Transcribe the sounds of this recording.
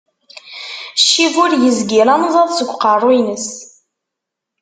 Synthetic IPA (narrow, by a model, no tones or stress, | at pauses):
ʃivʊɾjəzɡʲiɾamzˤɑðˤsəɡʷqɑrˤwinəs